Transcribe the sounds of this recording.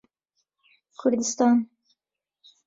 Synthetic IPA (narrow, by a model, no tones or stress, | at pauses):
kʰʊɾd̪ɪst̪ɑːn